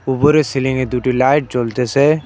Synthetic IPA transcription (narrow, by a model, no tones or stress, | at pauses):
ʊbʊɾesɪlɪ̃ŋɡed̪uːʈilaːɪʈ̚t͡ʃolt̪ese